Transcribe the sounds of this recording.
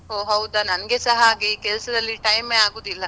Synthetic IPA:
oɦɐwd̪ɐnɐnɐɡe̞sɐɦɐaːɡikɛlsɐd̪ɐlːiʈɐjmeaːɡoːd̪ilːɐ

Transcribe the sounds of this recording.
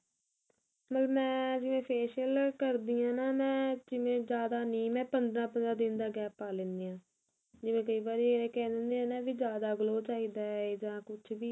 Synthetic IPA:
mət̪ləbmɛ̃ːd͡ʒɪʋẽːpʰeːʃəlkəɾd̪iːãːnaːmɛ̃ːd͡ʒɪʋẽːd͡ʒjaːd̪aːnĩːmɛ̃ːpənd̪ɾãːpənd̪ɾãːd̪ɪnd̪aːɡɛːpaːleːnd̪eːãː | d͡ʒɪʋẽːk̬əiːbaːɾiːẽkɛ̃ːd̪ɪnd̪eːãːnãːʋiːd͡ʒjaːd̪aːɡloːt͡ʃaːiːd̪aːeːd͡ʒãːkʊt͡ʃʰbiː

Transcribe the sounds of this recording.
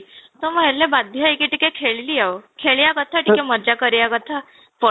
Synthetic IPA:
t̪əməɦeɾlebad̪ʱjaikiʈikẽkʰeɭliːaʋkʰeɭjakət̪ʰaʈikẽməd͡ʑakəɾjakət̪ʰa | fə

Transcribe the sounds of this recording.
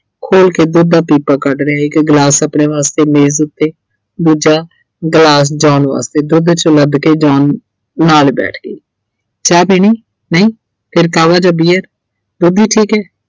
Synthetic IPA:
kʰoːlkeːd̪ʊd̪aːpiːpaːkəʈɾeaːɪkɡlaːsəpneːʋaːst̪eːmeːzʊt̪ːeː | d̪uːd͡ʒaː | ɡlaːs̬d͡ʒaːnʋa̰ːst̪eːd̪ʊd̪t͡ʃələd̪keːd͡ʒaːnː | aːlbɛ̰ːʈʰɡəiː | t͡ʃaːbiniː | nəĩː | pʰɪɾkaːʋaːd͡ʒabiːəɾ | d̪ʊd̪iːʈʰiːkɛː

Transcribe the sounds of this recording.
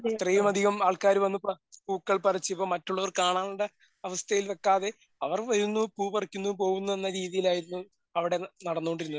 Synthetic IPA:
it̪rɐjumɐd̪ʱiɣɐmaːɭkaːɾuʋɐnːupːɐ | puːkːɐɭpɐrɐt͡ɕːipːoːmɐtːuɭːɐʋɐrkaːɳaːɳuɖe | ɐʋɐst̪ʰɐjilʋekːaːðe̞ | ɐʋɐrʋɐɾunːupuːpɐrɐkʲːunːup̬o̞ːɣunːue̞nːɐɾiːðijilaːjiɾunːu | ɐʋiɽe̞nɐɽɐnːoːɳɖiɾunːu

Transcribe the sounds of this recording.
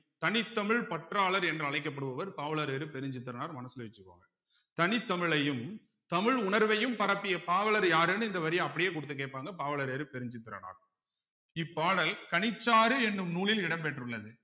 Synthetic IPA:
t̪ɐnɪt̪ːɐmɪɭpɐʈraːɭɐɾɛndrɯɐɭɐɪkːɐp̬ːɐɽɯʋɐʋɐɾpaːʋɐɭɐɾeːɾɯpɛɾɪɲd͡ʒɪt̪̬ːɯɾɐnaːɾmɐnɐsɯlɐʋɪt͡ʃːɯkːo̰ːŋɡɐ | t̪ɐnɪt̪ːɐmɪɭɐjɯm | t̪ɐmɪɻʊɳɐɾʋɐjɯmpɐɾɐpːɪjɐpaːʋɐlɐɾjaːɾɛnːɯɪnd̪ɐʋɐɾɪjɐɐpːɐɽɪjeːk̬ʊɽɯt̪̬ːɯk̬ːeːʈ̚pːaːŋɡɐpaːʋɐɭɐɾeːɾɯpɛɾɪɲd͡ʒɪt̪ːɯɾɐ̰na̰ːɾ | ɪpːaːɽɐlkɐɳɪt͡ʃːaːɾɯɛnːɯmnuːɭɪlɪɽɐmpeʈrɯɭːɐðɯ

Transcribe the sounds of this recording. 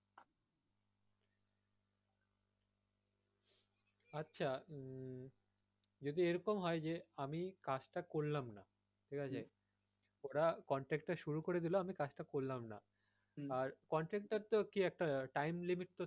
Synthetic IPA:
atːɕʰa | d͡ʑod̪ieɾɔkomɦɔed͡ʑeamikad͡ʑʈakollamna | ʈʰikʰad͡ʑae | oɾakɔɳʈɾek̚ʈːaʃuɾukoɾed̪iloamikad͡ʑʈakollamna̰ | aɾkɔɳʈɾek̚ʈːaɾt̪okiɛk̚ʈaʈajmlimiʈ̚t̪o

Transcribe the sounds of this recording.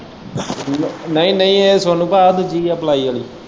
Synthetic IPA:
nəĩːnəĩːesaːnũːpaːd̪ud͡ʒiːəplaːiːəliː

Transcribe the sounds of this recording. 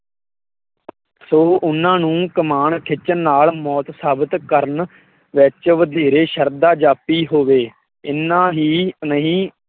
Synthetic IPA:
soːʔʊnːãːnũːkəmaːɳkʰɪt͡ʃənːaːlmɔːt̪saːbət̪kəɾən | ʋɪt͡ʃʋəd̪iːɾeːʃəɾd̪aːd͡ʒaːpiːɦoːʋeː | ɪnːãːɦiːnəɦĩː

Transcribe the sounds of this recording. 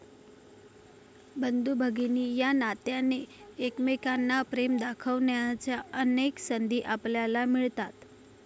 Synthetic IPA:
bənd̪ubʱəɡiniːjanat̪janeːkmekanːapɾemd̪akʰəʋnjat͡ɕjaəneksənd̪ʱiːʔapljalamiɭt̪at̪

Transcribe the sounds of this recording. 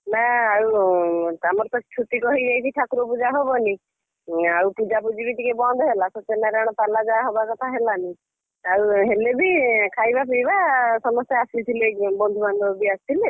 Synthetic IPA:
naaut̪amɔɾt̪ɔt͡ʃʰut̪ikɔɦid͡ʒajt͡ʃʰiʈʰakɾopud͡ʒaɦobɔni | aupud͡ʒapud͡ʒibiʈikebɔnd̪ʱɔɦelasɔt̪enaɾaɽ̃ɔpalad͡ʒaɦobakɔt̪ʰaɦelani | awɦelebikʰajbapijbasɔmɔst̪jaːsilt̪ʰilebɔnd̪ʱuband̪ʱɔbiast̪ʰile

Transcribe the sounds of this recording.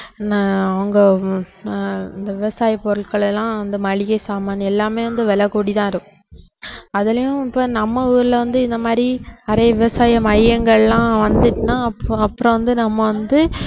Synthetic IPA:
naɐʋɐŋɡɐ | ɪnd̪ɐʋɪʋɐsaːjɐpːɔɾɯɭkɐɭɛlːãːɐnd̪ɯmɐɭɪɣɐɪsaːmaːnɛlːaːmeːʋɐnd̪ɯʋɛlɐkuːɽit̪ãːɪɾɯkʊ̃ | ɐðɐlɐjʊ̃ɪpːoːnɐmːɐuːɾɪlɐʋɐnd̪ɯɪnd̪ɐmaːɾiɐɾeːjɐʋɪʋɐsaːjɐmɐjjɐŋɡɐɭlãːʋɐnd̪ɯʈːɯnaːɐɐpːɯɾɔ̃ʋɐnd̪ɯnɐmːɐʋɐnd̪ɯ

